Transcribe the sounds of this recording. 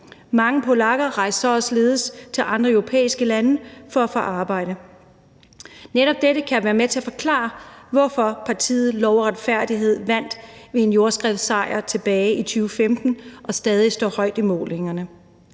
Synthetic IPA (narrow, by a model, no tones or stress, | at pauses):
mɑ̈ŋəpʰo̝lɑ̈ɡ̥ɐʁɑ̈ɪsɒɒsle̝ːð̞ˠəst͡sʰe̝lʔɑ̈nd̥ʁɐœʊʁo̝pʰḛːisɡ̥əlænəfɒ̽æfɒʔɑ̈ːb̥ɑ̈ɪ̰ɾ̥ə | neɾɒ̽b̥̚d̥eɾəkʰæʋæːɐmet͡sʰe̝æfɒ̽kʰlɑ̰̈ːɐʋɒfɒ̽pʰɑ̈t͡sʰḭːð̩ˠlɒʊɐʁad̥fæɐ̰d̥iɦe̝ð̞̰ˠʋæn̰d̥ʋe̝e̝njo̝ɐsɡ̥ʁɛʊsɑ̈ɪ̰ɐt͡sʰe̝b̥ɛːɪit͡sʰyːʊəfemd̥n̩ʔɒ̽sd̥ɛːðˠisd̥ɒ̰ːhɒ̽ɪ̰d̥imɔ̰ːle̝ŋɐnə